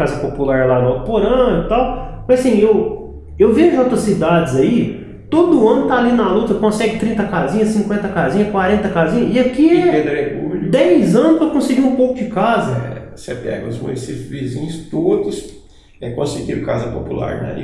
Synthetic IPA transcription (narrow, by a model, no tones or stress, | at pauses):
azɐpopulaɾlalapoɾɐ̃ʊt̪awmɐ̃zɐsĩew | ewveʒʊõt̪ɾɐsid̪ad͡ʒɪzɐi | t̪od̪ʊɐ̃nʊt̪aːlinɐlut̪ɐkõsɛɡɪt̪ɾĩnt̪ɐkazĩɲɐsĩŋkwẽnt̪ɐkazĩɲɐkwaɾẽnt̪ɐkazĩɲɐɪɐkiɛɛped̪ɾepṵd̪ɛjzɐ̃nʊspɾɐkõsɪɡiɾũpowkʊd͡ʒɪkazɐɛ | sepɛ̰ɡɐ̰ʊzmṵnisipʊzvizĩɲʊst̪od̪ʊs | ɛkõsɪɡiɾka̰zɐpo̰pṵla̰ɾnɐ̰ḭ